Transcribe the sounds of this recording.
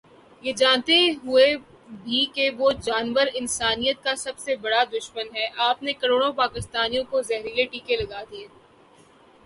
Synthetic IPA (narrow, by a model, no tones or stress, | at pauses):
jed͡ʒãːnt̪eɦʊe | bʱikeʋod͡ʒaːnʋəɾɪnsaːnijət̪̚kasɐbsebɐɽad̪ʊʃmənɦɛʔaːpnekɐɾoːɽ̃õpaːkɪst̪aːnijõkozɛɦɾijeʈiːkelɐɡaːd̪ieː